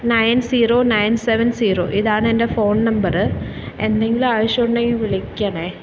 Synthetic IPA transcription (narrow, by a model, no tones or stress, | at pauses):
nɐjnsiːɾoːnɐjnseʋɐnsiːɾo̰ːʔiðaːɳɨendefo̞ːnnɐmbɐrɨ | end̪e̞ŋɡiluaːʋɐɕoɳːeŋːiʋiɭikʲːaɳeː